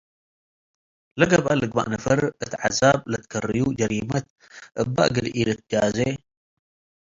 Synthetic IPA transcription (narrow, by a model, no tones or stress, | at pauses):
lɐɡɐβʔalɨɡba̰ʔnɐfɐɾʔɨt̪ʰʕazablɐt̪kʰɐrɨjud͡ʒɐɾimɐt̪ | ʔɨbːa̰ʔɡɨlʔilɨt̪̚ʰd͡ʒaze